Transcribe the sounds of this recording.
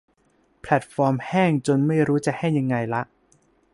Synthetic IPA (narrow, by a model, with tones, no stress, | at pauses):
pʰlɛ˨˩t̪̚fɔː˧mhɛː˥˩ŋt͡ɕo˧nma˥˩jɾuː˦˥t͡ɕa˨˩ʔha˥˩jːa˧ŋːa˧jla˦˥ʔ